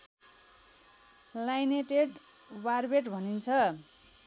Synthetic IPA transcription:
lajneʈeɖ | warbeʈbʱʌnint͡sʰʌ

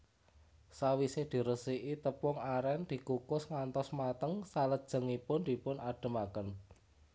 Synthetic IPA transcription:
sawisehd̪̥i̤ɾəsiʔit̪əpʊŋaɾɛnd̪̥i̤kukʊsŋant̪ɔsmat̪əŋsaləd̥ʒ̥ə̤ŋipʊnd̪̥i̤pʊnaɖ̥ə̤makən

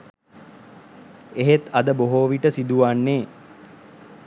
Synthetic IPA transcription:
eɦet̪ɐd̪əboɦoːʋiʈəsid̪uʋanːeː

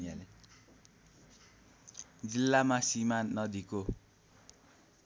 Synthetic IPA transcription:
jale | d͡zilːamasimanːʌd̪iko

